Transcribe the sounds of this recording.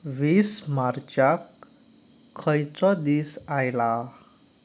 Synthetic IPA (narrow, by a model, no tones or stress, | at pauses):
ʋismaɾt͡ɕakʰː | əjt͡sɔd̪iːsajla